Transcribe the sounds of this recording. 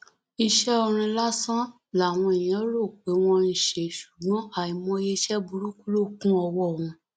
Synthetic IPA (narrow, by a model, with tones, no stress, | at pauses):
i˧ʃɛ˦o˧ɾ̃ĩ˧la˦sã˦ | la˨w̃ɔ̃˧i˨jĩ˨˦ɾo˦˨k͡pe˨˦w̃ɔ̃˧n̩˨ʃe˨ʃu̥˨ɡ͡bɔ̃˨˦a˦˨i˨mɔ̃˦je˦˧ʃɛ˦bu˧ɾu˦ku˦lo˦˨kũ˦ɔ˧wɔ˦˨w̃ũ˧